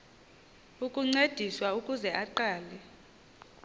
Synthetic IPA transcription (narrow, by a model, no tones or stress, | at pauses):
ukʼuŋ͡ǀed̥ʱiswaukʼuzɛʔaǃaːlɛ